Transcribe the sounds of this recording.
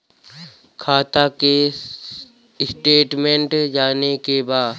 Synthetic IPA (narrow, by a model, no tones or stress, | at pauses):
kʰaːt̪ake | ɪsʈeːʈmẽɳʈd͡ʒaːnekebaːd